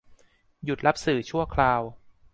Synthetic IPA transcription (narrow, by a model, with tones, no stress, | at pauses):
ju˨˩t̪̚la˦˥p̚sɯː˨˩t͡ɕʰu˥˩əkʰlaː˧w